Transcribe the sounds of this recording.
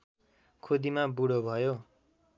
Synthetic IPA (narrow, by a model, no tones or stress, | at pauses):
kʰod̪imabuɽobʱʌjo